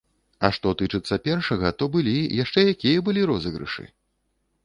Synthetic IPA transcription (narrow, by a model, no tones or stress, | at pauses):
ɐʂt̪ɔt̪ɨt͡ʂɨt̪sːɐpʲɛrʂɐɣɐt̪ɔbɨlʲijaʂt͡ʂɛjakʲijɐbɨlʲiɾɔzɨɣɾɨ̰ʂɨ̰